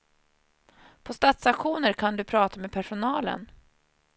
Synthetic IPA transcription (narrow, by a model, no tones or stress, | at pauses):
pʰɔst̪at̪sakɧuːnəɾkʰand̪ɵpʰɾɑːt̪amɛpʰæʂʊnɑːlə̰n